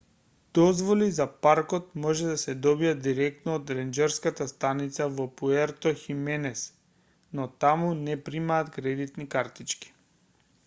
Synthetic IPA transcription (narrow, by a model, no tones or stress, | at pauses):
d̪̥ɔzvɔlizapaɾkɔt̪̚mɔʒɛd̪asɛd̪ɔbiad̪iɾɛk̚t̪nɔːt̪ɾɛnd͡ʒɛɾskat̪ast̪anit̪savɔpuɛɾt̪ɔximɛnɛs | nɔt̪amunɛpɾimaːt̪kɾɛd̪it̪nikaɾt̪it͡ʃki̥